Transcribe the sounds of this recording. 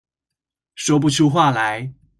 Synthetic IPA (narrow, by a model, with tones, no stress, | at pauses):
ʂwɔ˥p̬u˥˧˩t͡ɕʰju˥xwa˥˩la˧˥˦ɪ